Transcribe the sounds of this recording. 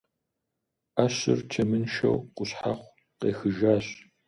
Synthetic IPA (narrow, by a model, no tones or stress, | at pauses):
aːɕɪ̰rtʰɐmɨnʃɐ̰wqʷʼʊɕħaχʷ | qeːxɨʒaːɕʼ